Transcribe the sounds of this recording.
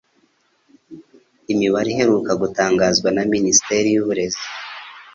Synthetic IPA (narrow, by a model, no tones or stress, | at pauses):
imiβaɾihe̞ɾuːkaɡutaːŋɡazɡwanaminisi̥teɾijuβuɾe̞zi